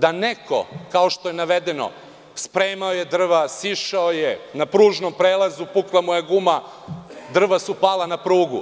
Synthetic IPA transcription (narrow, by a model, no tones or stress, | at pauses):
d̪aneko̰kaoʃt̪o̞jenaʋed̪eno̰ | spɾeːmaojed̪r̩ʋasiʃaojenapɾuːʒnompɾeːlˠazupuklˠamujeɡuma | d̪r̩ʋasupaːlanapɾuːɡṵ